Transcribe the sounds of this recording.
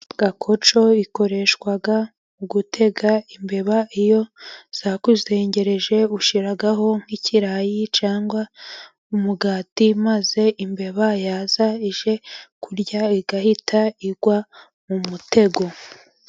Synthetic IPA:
ɡ̥akʰo̞t͡ʃo̞iko̞ɾe̞ʃkwaɡa | uɡutʰe̞ɡaimbe̞βaijo̞z̥akuze̞ːɲɟe̞ɾe̞ʒe̞uʃiɾaɡaɦo̞ŋ̥iciɾajit͡ʃaːŋɡwa | umuɡaːtimaze̞ʔimbe̞βajaːzaiʒe̞kuɾɟaiɡahitʰaiɡwa | mumute̞ɡo̞

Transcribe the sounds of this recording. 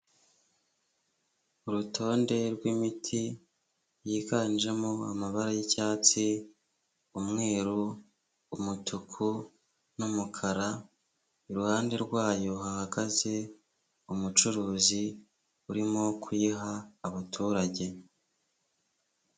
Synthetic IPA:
uɾutʰo̞ːnde̞ɾɡwimitʰi | jiːkaniʒe̞moamaβaɾajicaːt͡si | umŋe̞ːɾuː | mutʰukʰu | numukʰaɾa | iɾuhaːnde̞ɾɡwaːjo̞hahaɡaze̞ | umut͡ʃuɾuːzi | uɾimo̞kʰujiɦaːβatʰuːɾaɟe̞

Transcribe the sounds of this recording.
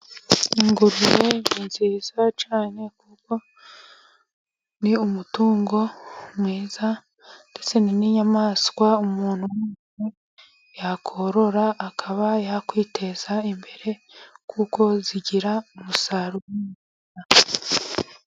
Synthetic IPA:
iŋɡuɾuɾe̞ninziːzat͡ʃaːne̞kuko̞ | niumutuːŋɡo̞mŋiːza | nde̞t͡se̞niniɲamaːskwaumuːnhuweːse | jakʰo̞ɾo̞ɾaʔːkʰaβajakwiːtʰe̞z̥aimbe̞ɾe̞kʰuko̞ziɟiɾaumusaɾuwimuina

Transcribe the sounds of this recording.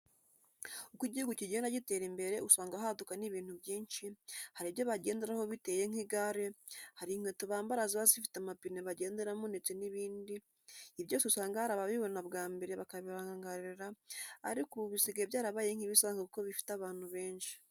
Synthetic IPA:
ukiɟihuɡuciɟendaɟite̞ɾimbe̞ɾe̞usaːŋɡaɦadukaniβiːnthuβjiːnʃihaɾiβjo̞βaɟe̞ːnde̞ɾaho̞βite̞je̞ŋ̥iɡaɾehaɾiŋ̥wetuβaːmbaɾaziβazifi̥tamapineβaɟe̞ːnde̞ɾamonde̞t͡se̞niβiːndiː | βjo̞ːseusaːŋɡahaɾaβaβiβonaβɡaːmbe̞ɾe̞βakaβiɾaːŋɡaŋɡaɾiɾeɾa̰ːɾikoβisiɡaeβjaːɾaβaːje̞ŋ̥hiβisaːŋɡakuko̞βifi̥taβaːn̥huβe̞ːnʃi̥

